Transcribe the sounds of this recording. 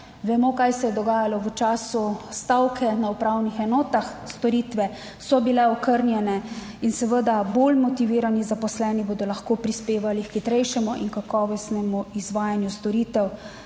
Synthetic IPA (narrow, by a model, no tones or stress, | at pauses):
ʋɛmokajsɛjɛd̪ɔɡaːjalɔʋət͡ʃaːsust̪awkʰɛnaupɾawnixɛnɔːt̪axst̪ɔɾiːt̪ʋɛ | sɔbilɛɔkəɾnjɛnɛ | insɛʋəd̪aboːlmɔt̪iʋiːɾanizapɔslɛːniboːd̪ɔlɐxkoːpɾispeːʋalikxit̪ɾɛjʃɛmuʔḭnkakɔːʋɔsnɛmuizʋaːjanjust̪ɔɾiːt̪ɛw